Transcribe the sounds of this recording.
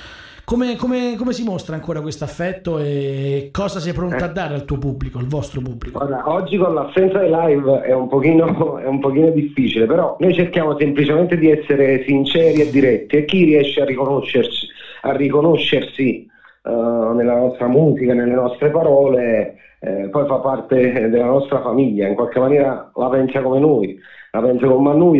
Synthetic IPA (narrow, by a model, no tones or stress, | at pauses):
komekomekomesimost̪ɾaːŋkoːɾakwest̪oafːɛt̪ːoekːɔːzasɛjpɾont̪oad̪ːaːɾealt̪uːopubːlikoalvɔst̪ɾopubːlikooːɾaʔɔd͡ʒːikonlasːɛnt̪sad̪elajvɛumpokiːnoɛumpok̟iːnod̪ifːiːt͡ʃilepeɾɔnojt͡ʃerkjaːmosemplit͡ʃement̪ed̪iɛsːeɾesint͡ʃɛːɾied̪ːiɾɛt̪ːiek̟ːiriɛʃːearːikonoʃːert͡ʃi̥arːikonoʃːersi | nelːanɔst̪ɾamuːzikanelːenɔst̪ɾepaɾɔːle | pɔjfapːart̪ed̪elːanɔst̪ɾafamiʎːaiŋkwalkemːanjɛːɾalapɛnsakomenoj | lapɛnsakommanːuj